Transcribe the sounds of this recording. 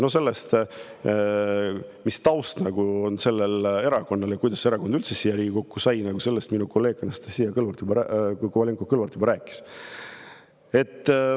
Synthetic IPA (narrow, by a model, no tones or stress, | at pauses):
no̞se̞lːest̪ | mist̪ɑwst̪nɑɡ̥uo̞nse̞lːele̞ɾɑko̞nːɑlkujd̪̥ɑsːeeɾɑko̞nd̪ylt̪sesijɑɾiːɡʲiko̞kːusɑjnɑɡuse̞lːest̪minuko̞lːe̞ːkːˑɑnɑst̪esijɑkɤlvɑlt̪jubɑækovɑlʲiŋkokɤlvɑlt̪jubɑɾæːkːˑi̥s | e̞t̪ːˑ